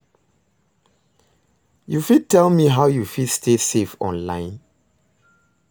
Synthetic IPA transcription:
jufid̚tʰɛlmiɦaʊjufidstʰesefɔ̰̃nlãɪ̃n

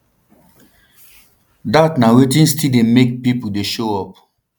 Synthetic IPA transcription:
datnawetĩnstidemek̚pipuldeʃoɔp̚

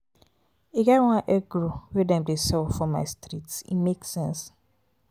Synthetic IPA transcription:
eɡɛɾwãnʔɛɡɹowɛdɛ̃mdesɛlfɹɔ̃mːa̰ɪstɹitsḭmeksɛ̃ns

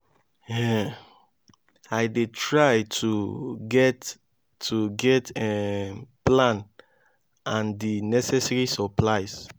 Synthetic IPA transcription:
ɛ | aɪdetʰɹaɪtʰuɡɛtː | uɡɛtɛplãn | ãndinɛsɛsɹisɔplaɪs

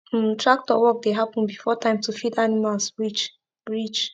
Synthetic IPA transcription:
tɹak̚tɔwɔk̚deɦapə̃n̩bifɔtʰãɪ̃mtufidanimalsɹit͡ʃ | ɹit͡ʃ

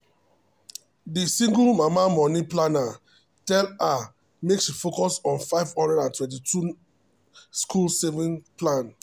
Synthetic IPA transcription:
disĩŋɡulmamamɔniplana | tɛla | meksʃifokɔsɔ̃nfaɪvhɔ̃ndɹɛdãntwɛ̃ntitʰu | skʰulsevĩnplãn

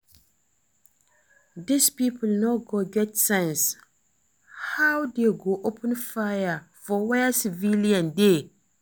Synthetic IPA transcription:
dɪspipʰʊlnaɡoɡɛtsɛ̃ns | hawdeɡoʔopʰɨ̃nfajafɔwɛasɪviliãnde

